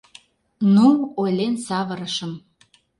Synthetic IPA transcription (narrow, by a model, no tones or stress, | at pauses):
nuolʲensɑβə̆ɾəʃəm